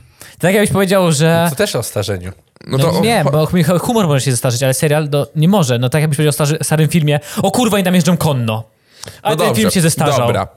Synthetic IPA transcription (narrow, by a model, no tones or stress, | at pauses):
t̪t̪akjaɡ̚bɘɕpɔvʲjed͡ʑawʐɛɔt̪ɛʂɔst̪aʐɛɲu | nɔɔɛbɔxmxɛxumɔɾmɔʐɛɕɛzɛst̪aʐɨt͡ɕalɛsɛɾjalnɔɲɛmɔʐɛnɔt̪akjaɡbɘɕpɔved͡ʑawɔst̪aʐst̪aɾɨmfʲilmʲjɛɔkuɾvait̪amjɛʐd͡ʐɔmkɔnːɔ | ʔat̪ɛnfʲiiɕɛzɛst̪aʒawɾa̰